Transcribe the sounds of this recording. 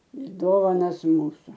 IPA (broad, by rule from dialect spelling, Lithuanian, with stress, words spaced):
ɪr ˈdoːʋɐnɐs ˈmuːsʊ